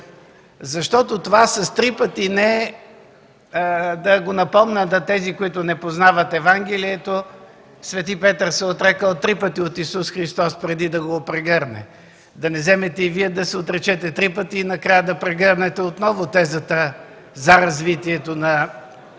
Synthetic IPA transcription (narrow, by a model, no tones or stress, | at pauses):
zɐʃt̪ɔt̪ot̪ovasɐst̪ɾipət̪inɛ | d̪ɐɡonɐpɔmnəd̪ɐt̪ɛzikoit̪ʊnɛpoznavɐt̪ɛvaŋɡ̟ɛliɛt̪o | svɛt̪ipɛt̪əɾsɛot̪ɾɛkəlˠt̪ɾipət̪iot̪isusxɾist̪ɔspɾɛd̪id̪ɐɡopɾɛɡɤɾnɛ̰ | d̪ɐnɛzɛmɛt̪ɛiviɛd̪ɐsɛot̪ɾɛt͡ʃɛt̪ɛt̪ɾipət̪iːnɐkɾajəd̪ɐpɾɛɡəɾnɛt̪ɛot̪nɔvʊt̪ɛzət̪ə | zɐɾɐzvit̪iɛt̪onɐ